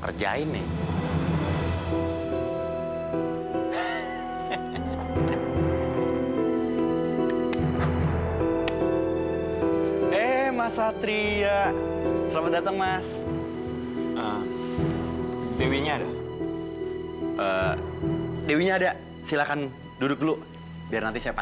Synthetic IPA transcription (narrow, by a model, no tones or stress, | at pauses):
kə̰rd͡ʒa̰ɪnɪ̰h | ehmasat̪ɾia | səlamat̪̚dat̪əŋmas | ə | dewiɲaːda̰ | ʔə | dewiɲaːda | silakan | dudʊklʊʔ | biarnant̪isajapa